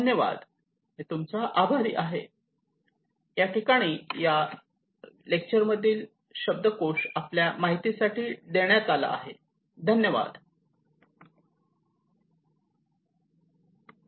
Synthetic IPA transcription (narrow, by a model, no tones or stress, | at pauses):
ənjəʋa̰d̪ | ɦet̪umt͡saʔabʱaɾḭːʔaɦe | jaʈikaɽ̃iːja | lek̚t͡ɕəɾməd̪ʱːiːl | ɕəb̚d̪əkoʂapljamaɦit̪isaʈiːd̪eɳjat̪ala̰ːɦe | d̪ʱənjəʋa̰d̪